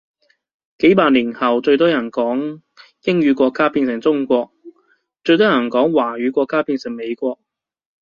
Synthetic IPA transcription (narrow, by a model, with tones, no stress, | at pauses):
ke˨˥jpaː˧t̚liː˨˩nhɐ˨wt͡ʃɵ˧ɥt̪ɔː˥jɐ˨˩nkɔː˨˥ŋ | jɪ˥ŋɥyː˨˧kʷɔː˧kːaː˥piː˧nsɪ˨˩ŋt͡sʊ˥ŋkʷɔː˧k̚ | t͡ʃɵ˧t̪̬ɔː˥jɐ˨˩nkɔː˨˥ŋwaː˨˩ɥyː˨˧˥kʷɔː˧kːaː˥piː˧nsɪ˨˩ŋme˨˧jkʷɔː˧k̚